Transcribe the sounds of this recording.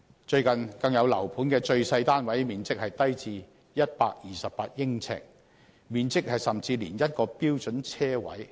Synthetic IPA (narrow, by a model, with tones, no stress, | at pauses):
t͡ʃɵ˧ɥkɐ˨nkɐ˧ŋjɐ˨˧wlɐ̰˨˩wpʰuː˨˥nkɛː˧t͡ʃɵ˧ɥsɐ˧jt̪aː˥nwɐ˨˥jmiː˨nt͡sɪ˥k̚hɐ˨jt̪ɐ˥jt͡siː˧ | jɐ˥t̚paː˧k̚jiː˨sɐ˨p̚paː˧t̚jɪ˥ŋt͡sʰɛ̰ː˨k̚ | miː˨nt͡sɪ˥k̚hɐ˨jsɐ˨mt͡siː˧liː˨˩njɐ˥t̚kɔː˧piː˥wt͡ʃɵ˨˥nt͡sʰɛː˥wɐ̰˨˥j